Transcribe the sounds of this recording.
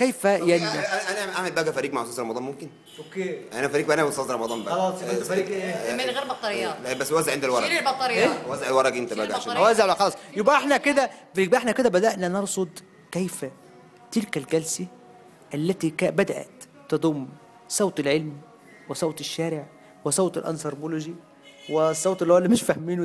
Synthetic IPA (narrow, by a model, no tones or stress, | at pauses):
kæjfæjaniʔæʔænæʔaʕmelbæːɡæfæɾiːɡ̚maʕsˤɑːsɾˤɑmɑd̪ˤɑːnmomken | okeʔænæfæɾiːɡ̚bæʔænæbosˤɑːst̪ɾˤɑmɑd̪ˤɑːmbæɑlɑːsˤæɾiːɡeɣeːɾbɑt̪ˤːɑɾejːɑbæsːewæzeʕend̪ælwɑɾˤelbɑt̪ˤːɑɾeewæzeʕelwɑɾˤɑɡʔent̪æbæːɡæʕaʃwæzeʕæxɑlɑːsˤjobʔæʔeħnæked̪æbʔeħnæked̪æbæd̪æʔnænɑɾˤsˤod̪ | kæjfæ | t̪ɪlkælɡælsæ | ʔælːæt̪ikæbæd̪æʔæ̰t̪ː | ɑd̪ˤumː | sˤɑwt̪elʕelm | wesˤɑwt̪ɪʃːæːɾeʕ | wɪsˤɑwt̪ˤḛlʔɑ̰nsɑɾˤboloʒi | wesˤːɑwt̪ˤelːolːimɪʃfæhmiːn